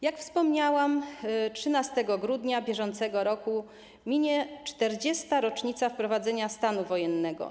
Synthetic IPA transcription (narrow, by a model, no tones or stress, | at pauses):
jakfspɔmɲawamtʂɘnast̪ɛɡɔɡɾud̪ɲabʲjɛʐɔnt̪sɛɡɔɾɔku | mʲiɲɛt͡ʂt̪ɛɾd͡ʑɛst̪aɾɔt͡ʂɲit̪safpɾɔvad̪zɛɲast̪anuvɔjɛnːɛɡɔ̰